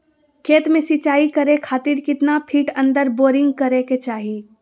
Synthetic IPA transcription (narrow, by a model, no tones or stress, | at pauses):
kʰeːt̪mẽsɪt͡ʃaːikɐɾẽkʰaːt̪ɪɾkɪt̪napʰiːʈə̃nd̪əɾboːɾɪ̃ŋɡkɐɾeket͡ʃaːɦi